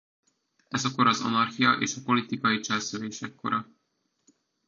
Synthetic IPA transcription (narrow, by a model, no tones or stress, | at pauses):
ɛzɒko̞ɾɒzɒ̰nɒrxijɒʔḛːʃɒpo̞lit̪ikɒjit͡ʃɛlsøleːʃɛkːo̞̰ɾɒ